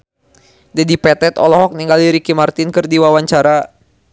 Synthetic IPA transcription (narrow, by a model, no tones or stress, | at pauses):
dadipɛt̪ɛt̪ɔlɔɦɔk̚niŋɡaliɾikimart̪ɪnkɨrdiwawaɲt͡ʃaɾa